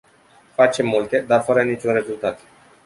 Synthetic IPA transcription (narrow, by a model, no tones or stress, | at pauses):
fat͡ʃe̞mːult̪e̞d̪arfəɾənit͡ʃunre̞zult̪at̪